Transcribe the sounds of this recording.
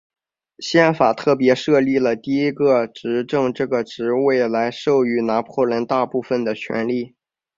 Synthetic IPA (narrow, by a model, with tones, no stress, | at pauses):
ɕjɛ˥˩nfa˨˩t̪ʰɤ˥˩p̬jɛ˧˥ʂɤ˥˧li˥˩lə˩t̪i˥˩i˥ɡə˧ʈ͡ʂɻ̩˧˥ʈ͡ʂɤ˥˧ŋʈ͡ʂɤ˥˩ɡə˩ʈ͡ʂɻ̩˧˥we˥˩ɪla˧˥ɪʂo˥˩˧ʊy˧˥na˧˥pʰwɔ˥˩lə˧˥nt̪a˥˧pu˥˩fə˨˩nd̪ə˩t͡ɕʰɥɛ̰˧˥nli˥˩